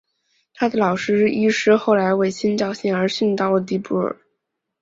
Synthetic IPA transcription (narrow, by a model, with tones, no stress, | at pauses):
t̪ʰa˥d̪ə˨lɑ˨˩ʊʂɻ̩˥ɻ̩˥˩ʔi˥ʂɻ̩˥xo˥˩ʊla˧˥ɪwe˥˩ɪɕʰi˥nt͡ɕjɑ˥˩ʊɕi˥˩ŋə˞˧˥ɕy˥˧nt̪ɑ˥˩ʊlə˩t̪̬i˧˥pu˥˩ə̰˞˨˩˦